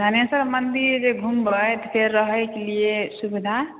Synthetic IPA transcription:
d̪ʱanesəɾmənd̪iɾd͡ʒeɡʱumbəjt̪ɔpʰeɾːəɦəjkeliesubid̪ʱa

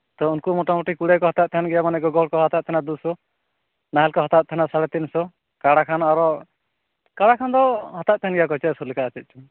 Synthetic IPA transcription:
t̪ɔunkumɔʈɔmuʈikuɽɛkɔɦɔt̪at̪̚t̪ʰanɡɛjamanɛɡɔɡɔɽkɔɦɔt̪at̪̚t̪ʰanad̪usɔ | naɦɛlkɔɦɔt̪at̪̚t̪ʰanasaɽɛt̪insɔ | kaɽakʰanaɾɔ | kaɽakʰand̪ɔɦɔt̪at̪̚t̪ʰanɡɛjakɔt͡ʃɛt̪sɔlɛkaːt͡ʃɛt̪̚t͡ʃʰu

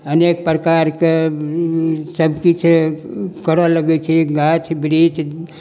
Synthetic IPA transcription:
ənekpɾəkaɾke | səmkit͡ʃʰ | kəɾələɡɛt͡ʃʰɛɡat͡ʃʰbɾit͡ʃʰ

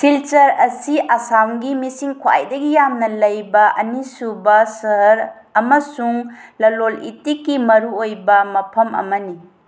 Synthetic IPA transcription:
silt͡ʃɐɾɐsiʔɐsamɡimisiŋkʰwa̰jdɐɡijamnɐlɐjbɐʔɐnisubɐsɐɾ | ɐmɐsuŋlɐlolḭtikːimɐɾuojbɐmɐpʰɐmɐ̰mɐni

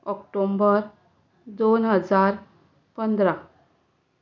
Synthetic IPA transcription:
ɔkʈombəɾ | d̪onɦəd͡zaɾ | pənd̪ɾa

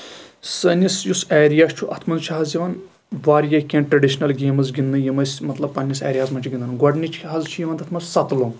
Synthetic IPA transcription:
sɐnʲisjusɛːɾijaːst͡ʃʰuʔɐt̪ʰmɐnzt͡ʃʰaɦazjiʋaːn | ʋaːɾjɐkʲẽːɳʈɾɐɖiʃnɐlɡeːmɨzɡʲind̪ɨnjimɐsʲmɐt̪lɐb̚pɐnʲːisɛ̰ːɾʲijaːzmɐnʲt͡ʃʰuɡʲind̪ɐnɡwɐɖnʲit͡ʃʰːɦazt͡ʃʰujiʋand̪ɐt̪ʰmɐsʲsɐt̪loːn

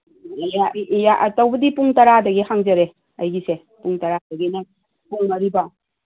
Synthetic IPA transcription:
jajaʔtɐwbɐdipuŋtɐɾadɐɡihaŋzɐɾe | ɐjɡise | puŋtɐɾadɐɡinɐ | puŋmɐɾiba

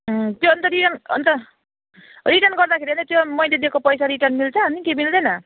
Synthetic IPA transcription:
t̪joːnt̪ʌɾiʈʌnʌ̰nt̪ʌ | riʈʌrnɡʌrd̪akʰeɾiʌnt̪ʌt̪jomʌjled̪ekopʌjsaɾiʈʌrnmilt͡sʰʌɦʌnikemild̪ʌjnʌ

